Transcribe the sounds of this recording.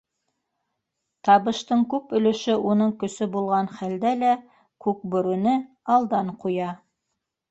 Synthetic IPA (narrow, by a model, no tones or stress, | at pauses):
t̪ɑβɤ̆ʃt̪ɤɴkʉpɵ̆lɵ̆ʃɘʔunɤɴkɵ̆sɵbulˠʁɑnχæld̪ælæ | kʉk̚bɵ̆ɾʉnɘ | ɑlˠd̪ɑɴqujɑ